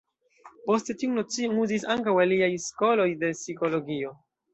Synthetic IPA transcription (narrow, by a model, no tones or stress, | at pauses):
po̞ste̞tiuno̞t͡sionuzisaŋkawaliajsko̞lo̞jde̞siko̞lo̞ɡio̞